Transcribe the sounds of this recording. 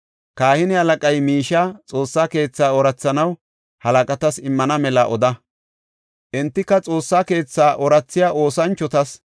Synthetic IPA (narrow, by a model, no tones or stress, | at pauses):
kaːhɪnɪhɐlɐkʼɐjmiːʃaːt͡sʼo̞ːsːaːke̞ːt͡sːaːɔɾɐt͡sːɐnɐw | hɐlɐkʼɐt̪ɐsɪmːɐnɐmɛlɐʔɔd̪ɐ | ʔɪnt̪ːɪkːɐt͡sʼo̞ːsːaːke̞ːt͡sːaːʔɔɾɐt͡sːɪjaːʔo̞ːsɐnt͡ʃːɔt̪ɐs